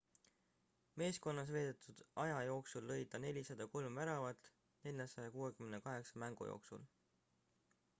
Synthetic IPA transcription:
me̞ːsko̞nːɑs̬ve̞ːd̪̥et̪ʰːˑud̪̥ɑjɑjo̞ːksulːɤ̞jd̪ɑne̞lʲisɑd̪̥ɑko̞lmvæɾɑvɑt̪ˑ | ne̞lʲjɑsɑjɑkuːe̞kymenekɑɦe̞ksɑmæŋɡ̥ṵjo̞̰ːksṵl

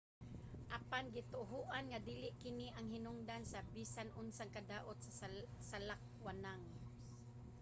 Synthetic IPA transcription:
ʔapanɡɪt̪ʊɦʊʔanŋad̪iːlɪʔkɪniʔaŋɦɪnʊŋd̪ansabisanʔʊnsaŋkad̪aːʔot̪̚sasalak̚wanaŋ

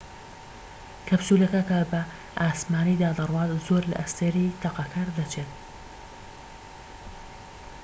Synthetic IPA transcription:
kʰɐbsuːlɐkɐkɐbɐ | ʔaːsmaːnid̪aːd̪ɨrwɑːzzoːɾlɐ̰ʔɐst̪eɾiːt̪ʰɐqɑkʰaɾd̪ɐt͡ʃʰeːt̪̚

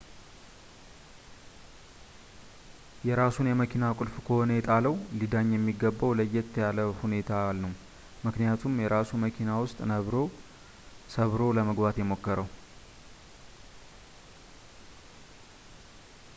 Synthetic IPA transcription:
jɛɾasunjɛməkʰinakʼʊlfkʰəhonəjɛt̪ʼaləwlid̪aɲːjɛmːiɡəbːəwləjːɛt̪ːjaləhune̞t̪ʰalnəw | mɨknijat̪ʰumjɛɾasuməkʰinawʊst̪ʼnəβɾo̞ | səβɾo̞ləməɡbat̪jɛmo̞kːəɾəw

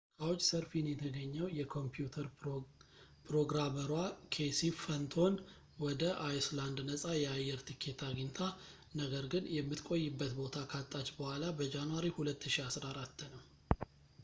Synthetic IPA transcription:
kʰawot͡ʃʼːsəɾfinjɛt̪ʰəɡəɲːəwjɛkʰo̞mpjut̪ʰəɾ | pʰɾo̞ɡɾaməɾwakʰesifənt̪ʰo̞n | wɔd̪əʔajsland̪nəsʼajɛajːɛɾt̪ʰikʰːe̞t̪ʰaɡint̪ʰa | nəɡəɾɡɨnjɛmːɨt̪kʼo̞jːɨbːət̪bo̞t̪ʰakʰat̪ʼːat͡ʃbəhʷalabəd͡ʒanuwaɾihulət̪ːɨʃiasɾaɾat̪ːnəw

